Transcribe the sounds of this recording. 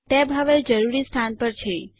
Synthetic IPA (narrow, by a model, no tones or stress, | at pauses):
t̪ebɦəʋed͡ʒəɾuɾist̪ʰanpəɾt͡ʃʰe